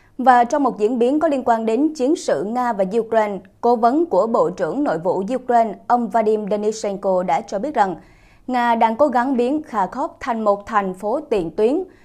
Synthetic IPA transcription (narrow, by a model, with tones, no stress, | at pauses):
vaː˨˩t͡ɕɔ˧wŋ͡mmo˨˩t̚zḭ˧˩ənɓi˨˦ənkɔ˨˦li˧ənkwaː˧nɗe˨˦nt͡ɕi˨˦ənsɨ̰˧˨ŋaː˧vaː˨˩ʔu˧kwe˧nko˨˦və˨˦nku˧˩əɓo̰˧˨t͡ɕɨ̰˧˩əŋno̰˧˨jvṵ˧˨zu˧kwe˧nʔə˧wŋ͡mvaː˧ɗi˧mɗe˧ni˧sɛ˧ŋko˧ɗa̰ː˧˥t͡ɕɔ˧ɓi˦˥ət̚z̥a˨˩ŋ | ŋaː˧ɗaː˧ŋko˨˦ɣa˨˦ŋɓi˨˦ənxaː˧˩xɔ˦˥p̚t̪ʰɛ˨˩jŋ̟mo˨˩t̚t̪ʰɛ˨˩jŋ̟fo˨˦t̪ḭ˨˩ənt̪wi˨˦ən